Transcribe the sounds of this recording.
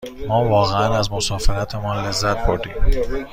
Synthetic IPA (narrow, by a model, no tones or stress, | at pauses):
mɒːvɒːɣeænæzmosɒːfeɾæt̪ʰemɒːnle̞zːæt̪̚ʰboɾd̪iːm